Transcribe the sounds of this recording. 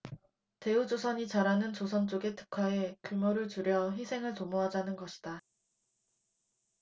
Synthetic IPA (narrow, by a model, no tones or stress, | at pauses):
te̞ud͡ʑosʰʌɲit͡ɕaɾanɯnt͡ɕosʰʌnt͡ɕ͈oɡe̞tʰɯ̥kʰae̞kumoɾɯɭtuɾjʌçisʰe̞ŋɯɭtomoɦad͡ʑanɯnɡʌɕʰi̥d̥a